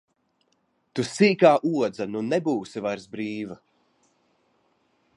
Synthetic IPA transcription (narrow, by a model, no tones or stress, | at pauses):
t̪usiːkaːʔuɔd̪zanunɛbuːsivaɾsbɾiːva